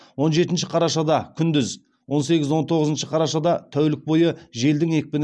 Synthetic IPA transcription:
wo̞nʒe̞t̪ɪnʃɪqʰɑɾɑʃɑd̪ɑkʲʰʏnd̪ɪz | wo̞nse̞ɡʲɪzwo̞nt̪ʰo̞ʁəzənʃəqʰɑɾɑʃɑd̪ɑt̪ʰæwlɪk̚bo̞jəʒe̞ld̪ɪŋe̞k̚ʲpɪn

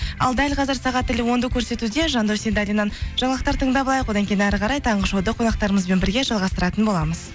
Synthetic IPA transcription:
ɑ̰lˠd̪ælʲqʰɑzəɾsɑʁɑt̪ːɪlɪwo̞nd̪əkʲʰɵɾse̞t̪ud̪e̞ʒɑnd̪uwsend̪ɑlʲinːɑnʒ̥ɑɴlˠɑqt̪ɑɾt̪ʰəɴd̪ɑbɑlˠɑjəqwod̪ɑŋkʲejɪnæɾqʰɑɾɑjt̪ʰɑɴʁəʃowd̪əqʰo̞nɑqt̪ɑɾəməzbenbɪɾɡʲe̞ʒɑlˠʁɑst̪əɾɑt̪ənbo̞lˠɑməz̥

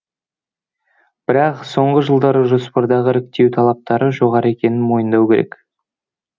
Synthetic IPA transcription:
b̥ɪɾɑqso̞ɴʁəʒəlˠd̪ɑɾəʒo̞spɑɾd̪ɑʁəɾɪk̚t̪e̞wt̪ʰɑlˠɑp̚t̪ɑɾəʒo̞ʁɑɾəe̞kʲe̞nɪnmo̞jənd̪ɑwkʲʰe̞ɾe̞̰k

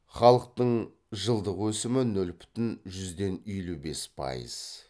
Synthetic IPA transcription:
χɑlˠəq̚t̪əɴ | ʒəlˠd̪əqwɵsɪmɪnɵlbʏ̥t̪ɪnʒʏzd̪e̞nʏjlube̞spʰɑ̰jə̰z̥

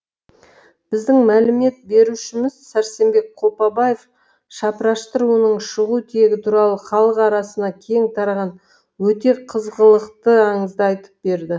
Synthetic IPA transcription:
b̥ɪzd̪ɪŋmælɪme̞t̪̚be̞ɾuʃɪmɪz̥sæɾse̞mbe̞k̚qʰo̞pɑbɑje̞f | ʃɑpɾɑʃt̪əɾuwənəɴʃəʁut̪ʰije̞ɡʲɪt̪ʰuɾɑlˠəχɑlˠəqɑɾɑsənɑkʲʰe̞ŋt̪ʰɑɾʁɑn | wɵt̪e̞qʰəzʁəlˠəqt̪əɑɴəzd̪əɑjt̪ə̥p̚be̞ɾd̪ɪ

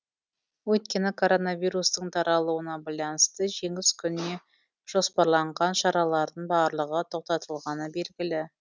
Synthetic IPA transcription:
wɵt̪̚kʲe̞nɪkʰo̞ɾo̞navijɾust̪əɴt̪ʰɑɾɑlˠuwənɑbɑjlˠɑnəst̪əʒe̞ŋɪskʲʰʏnɪne̞ | ʒ̥o̞spɑɾlˠɑɴʁɑnʃɑɾɑlˠɑɾd̪əɴbɑɾlˠəʁət̪ʰo̞q̚t̪ɑt̪əlˠʁɑnəbe̞lɡʲɪlɪ

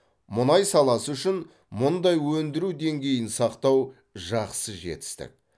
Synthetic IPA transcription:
mʊnɑjsɑlˠɑsəʏʃɪn | mʊnd̪ɑjwɵnd̪ɪɾud̪e̞ŋɡʲe̞jɪnsɑqt̪ɑw | ʒɑqsəʒe̞̰t̪ɪ̥st̪ɪ̰k̚

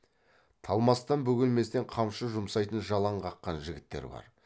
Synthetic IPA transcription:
t̪ʰɑlˠmɑst̪ɑnbɵɡʲɪlme̞st̪eɴqʰɑmʃəʒʊmsɑjt̪ənʒɑlˠɑɴqʰɑqːɑnʒɪɡʲɪt̪ːe̞̰ɾbɑ̰ɾ

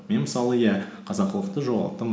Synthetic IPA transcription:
menməsɑlˠəjæqʰɑzɑqːəlˠəq̚t̪əʒolɑlˠəqt̪əm

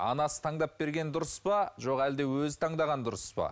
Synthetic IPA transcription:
ɑ̰nɑsə̥t̪ʰɑɴd̪ɑp̚be̞ɾɡʲe̞nd̪ʊɾəspɑʒo̞qæld̪ewɵzɪt̪ʰɑɴd̪ɑʁɑnd̪ʊɾəspɑ̰

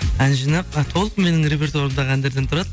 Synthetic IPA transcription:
ænʒinɑpɑt̪ʰolˠkme̞nɪŋɾe̞p̬ʲe̞rt̪woɾəmd̪ɑqænd̪eɾd̪ent̪ʰʊɾɑd̪ə

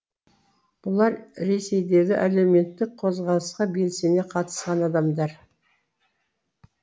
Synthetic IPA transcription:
b̥ʊlˠɑɾɾe̞se̞jd̪e̞ɡʲɪʔæle̞wme̞t̪ːɪk̚qʰo̞zʁɑlˠəsqɑbe̞lse̞ne̞qʰɑt̪ə̥sqɑnɑd̪ɑmd̪ɑɾ

